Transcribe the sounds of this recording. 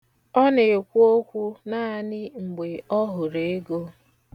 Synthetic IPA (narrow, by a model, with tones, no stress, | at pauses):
ɔ˦ne˨kʷu˦o˦kʷu˦na˦a˦nɪ˦ŋ͡m̩˨ɡ͡be˨ɔ˦ɦʊ˨ɾe˨e˦ɡo˦